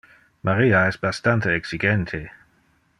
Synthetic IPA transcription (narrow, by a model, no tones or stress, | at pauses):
mʔaɾiːaɛsbast̪ant̪eːksiɡɛnt̪ʰe